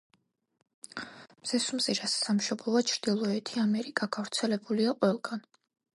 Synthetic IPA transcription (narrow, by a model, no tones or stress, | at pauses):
mz̥ɛsumziɾasːamʃɔblˠɔat͡ʃʰɾd̪̥ilˠɔɛt̪ʰiamɛɾiɡʼakʰafɾt̪sʰɛlɛbuliaqʼwɛlˠɡan